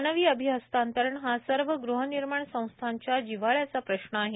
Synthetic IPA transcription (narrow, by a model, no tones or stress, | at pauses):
nəʋiːəbʱiɦəst̪ant̪əɾəɳɦasəɾʋəɡɾuɦəniɾmaɳsə̃w̃st̪ʰaɲt͡ɕjad͡ʑiʋaɭjat͡sapɾəɕnəaɦe